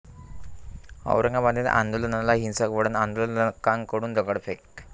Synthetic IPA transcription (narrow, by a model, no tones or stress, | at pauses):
ə̰wɾəŋɡabad̪et̪ã̰nd̪olənalaɦinsəkʋəɽənand̪olənkaŋkəɽuːnd̪əɡəɽfʰek